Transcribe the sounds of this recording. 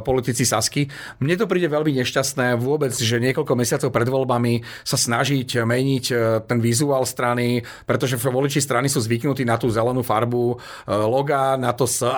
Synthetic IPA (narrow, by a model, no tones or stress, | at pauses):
pɔlit̪it͡sisaski | mɲɛt̪̬ɔpɾiːɟɛʋɛlmiɲɛʃcast̪nɛːʋʊɔbɛd͡zʒɛɲɪɛkɔʎkɔmɛsɪat͡sɔʊpɾɛd̪ʋɔlbami | sasnaʒicmɛɲict̪ɛnʋizuaːlst̪ɾani | pɾɛt̪ɔʒɛʋɔlit͡ʃist̪ɾanisuːzʋiknut̪iːnat̪uːzɛlɛnuːfaɾbu | lɔɡanat̪ɔsə